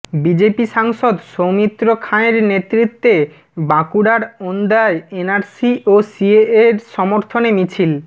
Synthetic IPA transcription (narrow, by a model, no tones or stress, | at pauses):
bid͡ʑepiʃaŋʃod̪ʃowmit̪ːɾokʰaneɾnet̪ːɾit̪ːe | bakuɽaɾond̪aeenaɾsiʔosieeɾʃɔmoɾt̪ʰonemit͡ɕʰil